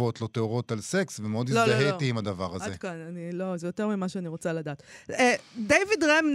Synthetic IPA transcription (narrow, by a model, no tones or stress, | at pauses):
o̞t̪lo̞t̪eoʁo̞t̪alse̞ksvemeo̞d̪iloaɦetiːmad̪avaʁazaekananilo̞zejo̞t̪e̞ʁmimaʃeaniʁot͡saladaːt̪edejvidʁemn